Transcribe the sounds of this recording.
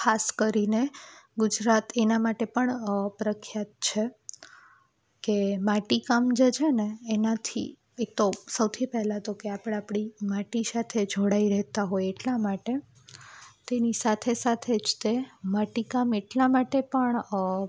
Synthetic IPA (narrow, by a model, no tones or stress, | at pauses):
kʰaskəɾineɡʊd͡ʒɾat̪enamaʈepəɳpɾəkʰjat̪̚t͡ʃʰe | kemaʈikamd͡ʒed͡ʒʰeneːnat̪ʰḭ | ek̚t̪osəwt̪ʰipɛɦlat̪okeapəɽ̃apɽ̃imaʈisat̪ʰed͡ʒʱoɽaiɾɛɦt̪aɦojeʈlamaʈe | t̪enisat̪ʰesat̪ʰed͡ʒt̪emaʈikameʈlamaʈepəɳ